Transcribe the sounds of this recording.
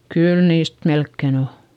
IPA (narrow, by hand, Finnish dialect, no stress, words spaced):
kyl niːst melkːen o